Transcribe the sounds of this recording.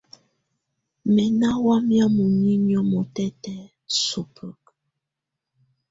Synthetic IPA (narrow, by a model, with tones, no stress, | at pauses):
mɛ˨na˦wa˦mja˦mu˨ni˦ɲɔ˦mɔ˨tɛ˦tɛ˨ | su˨pʰə˦˨k